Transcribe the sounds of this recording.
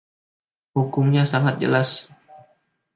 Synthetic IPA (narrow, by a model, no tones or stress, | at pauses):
hukʊmɲasaŋat̪̚d͡ʒə̰las